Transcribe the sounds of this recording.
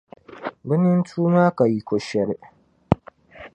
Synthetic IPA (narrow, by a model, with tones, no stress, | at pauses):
bɪ˦nɪ˦ntʰuː˦maː˦ka˨ji˦kʷɔ˨ʃɛ˦ɾ